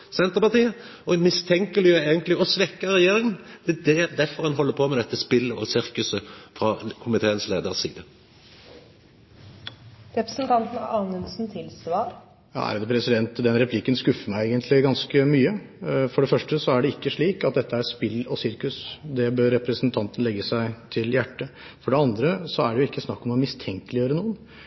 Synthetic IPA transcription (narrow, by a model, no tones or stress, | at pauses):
sɛnt̪əɾpɑʁt̪iːə | ɔɛnmɪst̪ʰɛŋkəlɪəeːɡənt̪lɪɔsʋɛkːəɾɛjeːɾɪŋənd̪̥ɛd̪ɛd̪æɾfɔɾhɛnɦɔlːəpʰɔmɛd̪ɛt̪ːəspɪlːəɔ̰sɪɾkʉsəfɾɑkʰʊmɪt̪ʰeːənsleːd̪əʁsḭːd̪ə | ɾɛpɾəsn̩t̪ʰɑnt̪n̩ɑ̰ɑːnʉnsn̩t̪ʰɪlsʋɑːɾ | jɑ̰æ̰ɾd̪pʰɾɛsɪd̪ɛnt̪d̪ɛnɾɛpʰlɪkːənskʉfːəmæɪeːɡənt̪ʰlɪɡɑnskəmyːə | fɔɖɛfœʂʈəsɔæɖɛɪkːəʂɭiːkɑt̪̚d̪ɛt̪ːəæɾspɪlːɔsɪɾkʉsd̪ɛbøɾːɛpɾəsnt̪ʰɑnt̪ən̩lɛɡːəsæɪt̪ʰɪljæʈːə | fɔɖɛɑnd̪ɾəsɔæɖɛjʊɪkːəsnɑkːɔmɔmɪst̪ʰɛŋkəlɪjøːɾənuːən